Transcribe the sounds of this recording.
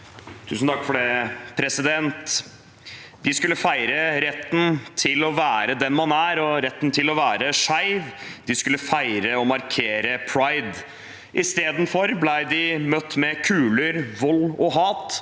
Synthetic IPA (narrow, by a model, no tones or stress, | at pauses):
t̪ʰʉ̰ːsn̩t̪ʰɑkːfɔɖɛpʰɾɛsɪd̪ɛnt̪ | d̪ɪskʉlːəfæɪɾəɾɛt̪ːn̩t̪ʰɪlɔʋæːɾəd̪ɛnmɑnæɾɔɾɛt̪ːnt̪ʰɪlɔʋæːɾəʂæɪʋd̪ɪskʉlːəfæɪɾəɔmɑɾkʰeːɾəpʰɾɑɪd̪ | ʔɪst̪eːd̪n̩fɔɾblæɪd̪ɪmœt̪ːmɛkʰʉːləɾʋɔlːɔɦɑːt̪